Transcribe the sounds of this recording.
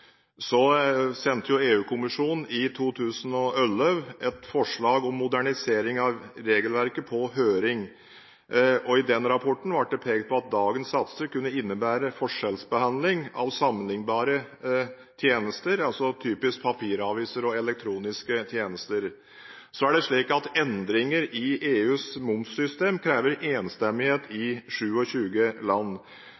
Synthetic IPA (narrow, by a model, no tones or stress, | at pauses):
sɔsɛnt̪ʰəjʊeːʉːkʰʊmɪʂuːnn̩ɪt̪ʰuːt̪ʰʉːsənɔœlːœʋɛt̪fɔʂɭɑːɡɔmːʊd̪æɳɪseːɾɪŋɑʋɾeːɡəlʋæɾkəpʰɔɦøːɾɪŋ | ɔɪd̪ɛnɾɑpʰɔʈːɳ̩ʋɑʈ̚ɖ̪ɛpʰeːɡt̪̚pʰɔɑt̪̚d̪ɑːɡənsːɑt̪st̪əkʉnːəɪnːəbæːɾəfɔʂɛlsbəhɑnd̪lɪŋɑʋsɑmːənlɪŋbɑːɾə | t̪ʰjeːnəst̪əɾɑlsɔt̪ʰyːpɪsk̚pʰɑpʰiːɾɑːʋɪsəɾɔɛlɛk̚t̪ʰɾuːnɪskət̪ʰjeːnəst̪əɾ | sɔæɖɛʂɭiːkɑt̪ɛnd̪ɾɪŋəɾɪeːʉːsmʊmfsʏst̪eːmkʰɾæːʋəɾeːnst̪ɛmːɪheːt̪ɪʂʉːɔɕʉːɡəlɑnː